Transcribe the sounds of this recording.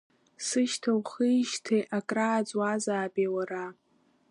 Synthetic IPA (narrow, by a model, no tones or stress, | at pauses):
sɨʃtʰawχijʃtʰeʔakʼraːt͡sʼwazaːbʼewara